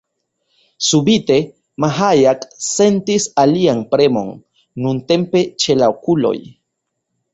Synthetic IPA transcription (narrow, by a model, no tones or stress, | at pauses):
subit̪e | maɦajaksent̪isaliaŋpɾemo̰ŋ | nunt̪empet͡ʃelawkulo̰j